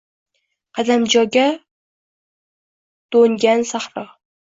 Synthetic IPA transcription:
qʰɑd̪amd͡ʒɒɡʲa | d̪̥oŋɡʲansaχɾɑ

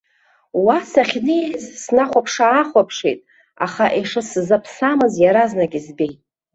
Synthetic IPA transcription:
wasaχʲnɨzsnaχʷapʰʂaːχʷapʰʂejtʼ | a̰χaʔeʂɨsɨzapʰsamɨzjaɾaznaɡʲizbe̞jtʼ

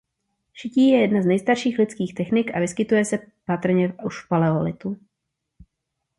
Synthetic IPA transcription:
ʃɪciːjɛjɛdnaznɛjst̪aɾʃiːxlɪt͡skiːxt̪ɛxnɪkʔavɪskɪt̪ujɛsɛpat̪r̩ɲɛuʃpalɛolɪt̪u

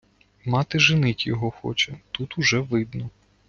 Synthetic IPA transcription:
mɑt̪ɪʒɪnɪtʲjɔɦɔxɔ̰t͡ʃɛt̪ut̪uʒɛʋɪd̪nɔ

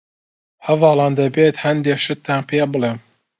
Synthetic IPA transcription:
hɐvɑːlˠɑːnd̪ɐbeːt̪hɐnd̪eːʃɨt̪ʰːanpʰeːbɨleːm

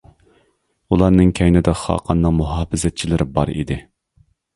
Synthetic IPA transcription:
ulˠɑɾnɨŋkʲʰɛjnɪd̪ɛχɑ̰ːqʰɑnːɨŋmuɦɑːfɪzɛt̪̚t͡ʃʰilɪɾɪbɑ̰ɾḭd̪ɪ

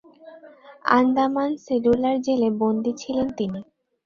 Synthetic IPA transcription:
a̰nd̪amanseɖulaɾd͡ʑelebond̪it͡ɕʰilent̪ini

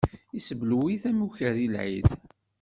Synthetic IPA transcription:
isəbluwiθæmuçəɾilʕḭð

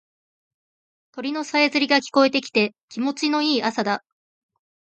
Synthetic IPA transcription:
t̪o̞ɾʲino̞saezɨɾʲiɡakʲi̥ko̞e̞t̪e̞kʲi̥t̪e̞kʲimo̞t͡ɕino̞iːasad̪a

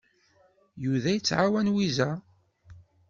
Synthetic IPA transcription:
juðæjət͡sːʕawænwizæ

